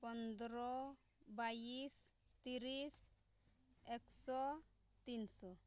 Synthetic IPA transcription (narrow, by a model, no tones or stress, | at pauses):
pɔnd̪ɾɔ | bajist̪iɾis | ɛksɔ | t̪insɔ